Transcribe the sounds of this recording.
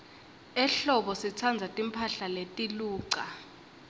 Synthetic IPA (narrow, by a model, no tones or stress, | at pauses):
ɛɬɔɓɔsit͡sʰand͡zʱatʼimpʰaɬaletʼiluːǀa